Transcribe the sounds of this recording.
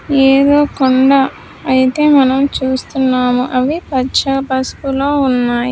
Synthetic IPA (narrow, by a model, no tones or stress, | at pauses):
eːd̪oːkoɳɖɐ | ɐjit̪e̞ːmɐnɐmt͡ʃuːst̪unːaːmuʔɐʋipɐt͡ʃɐpɐspulo̞ːunːaːji